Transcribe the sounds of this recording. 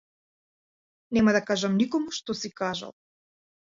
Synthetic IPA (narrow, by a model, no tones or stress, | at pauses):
nɛmad̪akaʒamnikɔmuʃt̪ɔsikaʒa̰lˠ